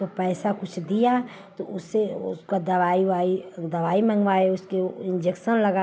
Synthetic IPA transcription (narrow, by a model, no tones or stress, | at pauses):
opɛːsakʊt͡ʃʰd̪ija | t̪oʊseʊskad̪ɐʋaːiʋaːid̪ɐʋaːimɐ̃ŋɡʋaːeʊskeɪ̃nd͡ʒekʃənlɐɡa